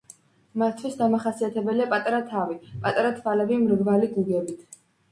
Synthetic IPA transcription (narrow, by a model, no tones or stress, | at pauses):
mat̪t̪ʰːwisd̪amaχasiat̪ʰɛbɛliapʼat̪ʼaɾat̪ʰavipʼat̪ʼaɾat̪ʰvalɛbimɾvvaliɡuɡɛbit̪ʰ